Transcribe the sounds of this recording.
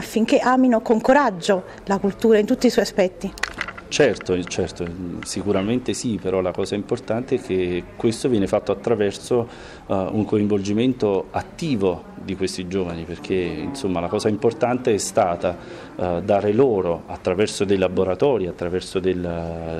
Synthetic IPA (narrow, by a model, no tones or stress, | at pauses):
afːiŋk̟eʔaːminokoŋkoɾad͡ʒːo | lakult̪uːɾaint̪ut̪ːisɔjaspɛt̪ːit͡ʃɛrt̪ot͡ʃɛrt̪osikuɾament̪esipeɾɔlakɔːzaimport̪ant̪eɛkʰːekːwest̪ovjɛːnefat̪ːoat̪ːɾavɛrso | uŋkoiɱvold͡ʒiment̪oat̪ːiːvo | d̪ikwest̪id͡ʒoːvaniperk̟ʰeḭnsomːalakɔːzaimport̪ant̪eɛst̪aːt̪a | d̪aːɾeloːɾoat̪ːɾavɛrsod̪ejlaboɾat̪ɔːɾiat̪ːɾavɛrsod̪el